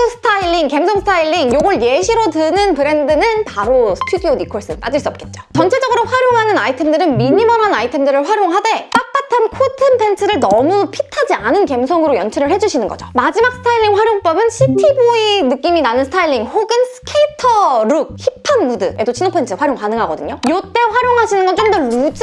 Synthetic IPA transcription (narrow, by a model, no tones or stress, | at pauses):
ɯsʰɯ̥tʰailːiŋke̞msʰʌŋsʰtʰailːiŋjoɡʌɭjeɕʰiɾotɯnɯnpɯɾe̞ndɯnɯnpaɾosʰɯ̥tʰudionikʰoɭs͈ɯp͈a̰d͡ʑiɭs͈uʌp̚k͈e̞t̚t͡ɕ͈o̥t͡ɕʌnt͡ɕʰe̞d͡ʑʌɡɯɾoɸwaɾjoŋɦanɯnaitʰe̞mdɯɾɯnmiɲimʌnɦanaitʰe̞mdɯɾɯɭɸwaɾjoŋɦade̞p͈ap͈atʰankʰotʰɯnpʰe̞nt͡ɕʰɯɾɯɭnʌmupʰitʰad͡ʑianɯnke̞msʰʌŋɯɾojʌnt͡ɕʰiɾɯɭɦhe̞d͡ʑuɕʰinɯnɡʌ̰d͡ʑomad͡ʑimak̚s͈ʰɯ̥tʰailːiŋɸwaɾjoŋp͈ʌbɯnɕʰitʰiboinɯk͈iminanɯnsʰtʰailːiŋhoɡɯnsʰɯ̥kʰeitʰʌɾuk̚hipʰanmudɯe̞dot͡ɕʰinopʰe̞nt͡ɕʰɯɸwaɾjoŋkanɯŋɦaɡʌdɯɲojot͈e̞ɸwaɾjoŋɦaɕʰinɯnɡʌnt͡ɕ͈omdʌɭud͡ʑ